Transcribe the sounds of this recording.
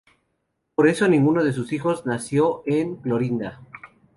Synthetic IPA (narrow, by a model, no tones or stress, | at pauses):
po̞ɾe̞so̞nĩŋɡuno̞ðe̞s̬usixo̞znasjo̞eŋklo̞ɾind̪a